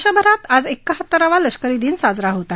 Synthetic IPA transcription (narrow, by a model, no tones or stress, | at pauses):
ɕəbʱəɾat̪ad͡zekːaɦət̪ːəɾaʋaləɕkəɾid̪iːnsad͡zɾaɦot̪a